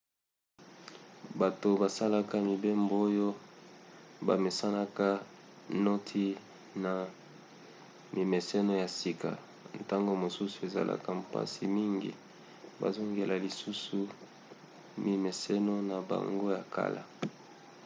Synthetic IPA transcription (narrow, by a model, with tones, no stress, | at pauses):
ba˨to˨ba˨sa˦la˦ka˦mi˨be˦mbo˨o˦jo˦ | ba̰˨me˨sa˦na˦ka˦ | no˦tʰi˦ | na˨ | mi˨me˨se˦no˦ja˨si˨ka̰˨ | ta˦ŋɡo˦mo˨su˦su˦e˨za̰˨la̰˦ka˦m˨pa̰˦si˨mi˦ŋɡḭ˨ | ba̰˨zo˦ŋɡe˨la˨li˨su˦su˨ | mi˨me˨se˦no˦na˨ba̰˨ŋɡo˦ja˨kʰa̰˦la̰˨